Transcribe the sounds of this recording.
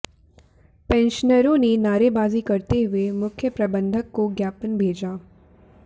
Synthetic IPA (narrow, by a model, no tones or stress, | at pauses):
pɛ̃ːnʃənəɾõnenaːɾebaːzikɐɾt̪eɦʊemʊkʰjəpɾɐbə̃nd̪ʱəkːoɡjaːpənbʱeːd͡ʒaː